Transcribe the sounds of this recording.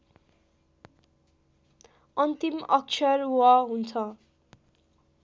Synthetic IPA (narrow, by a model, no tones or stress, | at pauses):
ʌnt̪imʌk̚t͡sʰʌrwaɦunt͡sʰʌ